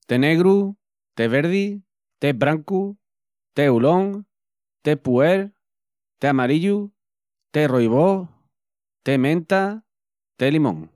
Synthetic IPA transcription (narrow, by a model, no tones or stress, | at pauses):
t̪eneɣɾu | t̪eβeɾði | t̪ebɾaŋku | t̪euloŋ | t̪epueɾ | t̪eamaɾiʎu | t̪erojβo | t̪emẽnt̪a | t̪elimõ̰ŋ